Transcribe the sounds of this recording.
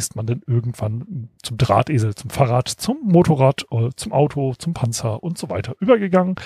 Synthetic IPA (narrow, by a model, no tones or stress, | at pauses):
ɪstmandanʔɪɐɡŋ̩tv̥ant͡sʊmdʁa̰ːtʔeːzl̩t͡sʊmfaːʁaːtt͡sʊmːoːtʰoʁaːtt͡sʊmʔaʊtʰot͡sʊmpʰant͡sɐʔʊntz̥ova̰ɪtʰɐʔyːbɐɡəɡaŋən